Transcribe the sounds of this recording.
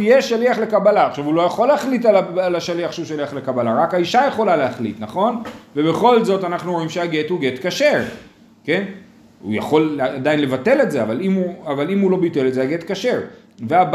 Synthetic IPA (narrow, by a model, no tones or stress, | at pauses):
ijeʃaliaχle̞kabalaːχʃavulo̞jaχo̞lːeaχlit̬alaalaʃaliaχʃeuʃaliaχle̞kabalaʁakaiʃaje̞χo̞laleaχlḭtnaχo̞nve̞be̞χo̞lzo̞tanaχnuoimʃeaɡethuɡe̞tkaʃeʁ | ke̞n | ṵja̰χo̞laadainle̞vate̞le̞tze̞avalimuavalimhulo̞bite̞le̞tzeaɡe̞tkaʃe̞ʁ | veab